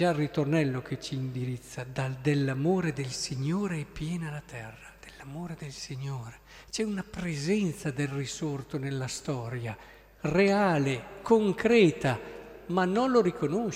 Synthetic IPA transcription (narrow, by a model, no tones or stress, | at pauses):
arːit̪ornɛlːok̟ʰet͡ʃiːnd̪iɾit̪sːad̪ad̪elːamoːɾed̪elsiɲːoːɾeɛpjɛːnalat̪ʰɛrːad̪̥elːamoːɾed̪elsiɲːoːɾe | t͡ʃɛunapɾezɛnt̪sad̪elrisort̪onelːast̪ɔːɾja | reaːlekoŋkɾɛːt̪amanːonloɾikono